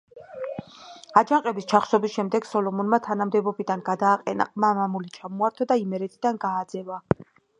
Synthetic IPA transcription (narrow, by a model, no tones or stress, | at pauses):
ad͡ʒaŋqʼɛbist͡ʃʰaχsɔbisʃɛmd̪ɛɡ̥sɔlɔmɔnmat̪ʰanamd̪ɛbɔbid̪anɡad̪aːqʼɛna̰qʼmaːmamulit͡ʃʰamɔaɾt̪ʰɔd̪aimɛɾɛt̪ʰid̪anɡaːd̪zɛva